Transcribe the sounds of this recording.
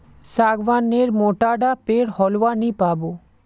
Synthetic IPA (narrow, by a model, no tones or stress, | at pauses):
saɡʋaneɾmoʈaɖapeɽhɔlwanipabo